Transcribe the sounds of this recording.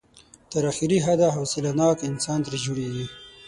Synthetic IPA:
t̪əɾaxiɾiɦad̪aɦosɪlanɑkɪnsɑnt̪ɾed͡ʒuɽeɡi

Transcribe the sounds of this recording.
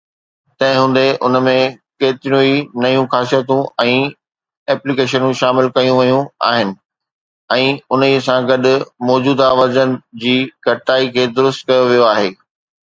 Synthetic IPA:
t̪ɐ̃ɦɪ̃ɦũːn̆d̪eʔʊ̰nmẽkeːt̪ɪɾijũinɐjũxaːsijət̪ũɛ̃ː | ɛːplikeːʃənũʃaːmɪlkɐjũʋɐjũa̰ːɦɪnɪ̆ | ɛ̃ːʊnisãɡɐɗʊ̆mɔːd͡ʑuːd̪aʋɐd͡ʑənɪ̆d͡ʑiːɡʱɐʈaːikʰeːd̪ʊɾʊst̪̚kɐjoʋijoaːɦeː

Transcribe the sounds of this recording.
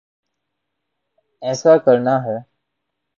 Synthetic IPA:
ɛ̃ːsakəɾɳaɦɛ

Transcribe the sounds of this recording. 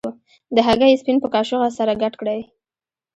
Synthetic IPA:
d̪əɦaɣajespinpəkɑʃʊɣasaɾaɡaʈkɽaj

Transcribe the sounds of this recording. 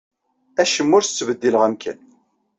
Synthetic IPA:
æʃəmːʊɾθə̥t͡sːvəd̪ːiləʁæmkʰæ̰n

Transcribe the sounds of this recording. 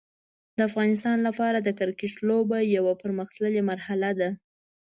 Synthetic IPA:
d̪əafɣɑnɪs̬t̪ɑnlapɑɾad̪əkəɾkeʈ͡ʂlobajawapəɾməxt̪ləlemaɾhalad̪a

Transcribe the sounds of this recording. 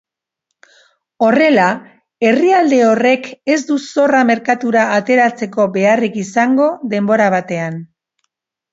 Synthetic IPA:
o̞re̞la | e̞riald̪e̞o̞re̞ke̞zd̪uso̞rame̞ɾkat̪uɾaːt̪e̞ɾat͡se̞ko̞be̞arikisaŋɡo̞ðe̞mbo̞ɾaβ̞at̪e̞an

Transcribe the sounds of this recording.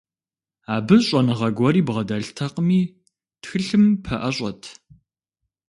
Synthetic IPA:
aːbɨɕʼɐnɨʁɐɡʷɔɾiːbʁɐdɐɬtʰɐqəmiː | txɨɬɨmpʰɐʔɐɕʼɐtʰ

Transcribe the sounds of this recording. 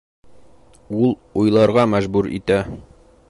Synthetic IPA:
ulˠujlˠɑɾʁɑmæʒbʉɾḭt̪æ

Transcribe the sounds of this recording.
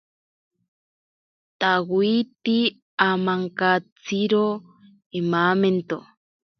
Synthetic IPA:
t̪awit̪i | amaŋkat͡siɾo | emament̪o

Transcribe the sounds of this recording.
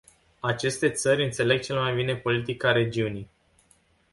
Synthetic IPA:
at͡ʃe̞st̪e̞t̪sərʲɨnt̪se̞le̞ɡ̚t͡ʃe̞lemajbine̞po̞lit̪ikaɾe̞d͡ʒiunij

